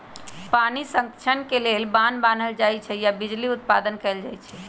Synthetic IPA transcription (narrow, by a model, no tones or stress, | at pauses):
panisə̃ŋkt͡ʃʰənkelelbanban̤əld͡ʒajt͡ʃʰɛjabid͡ʒliut̪̚pad̪ənkɛld͡ʒajt͡ʃʰɛ